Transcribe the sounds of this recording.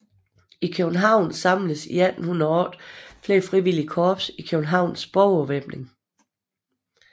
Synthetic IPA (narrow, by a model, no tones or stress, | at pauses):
ikʰøb̥n̩ɦɑ̈ʊ̰nsɑ̈mləsḭæd̥n̩hunɐɒːd̥fle̝ːɐfʁiʋiliəkʰɒːb̥sikʰøb̥n̩ɦɑ̈ʊ̰nsb̥ɒʊɒʋeb̥ne̝ŋ